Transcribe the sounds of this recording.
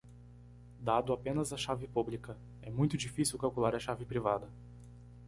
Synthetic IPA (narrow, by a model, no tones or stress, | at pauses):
d̪ad̪ʊapẽnɐzɐʃavɪpublikɐ | ɛmũj̃t̪ʊd͡ʒifisiwkawkulaɾɐʃavɪpɾivad̪ɐ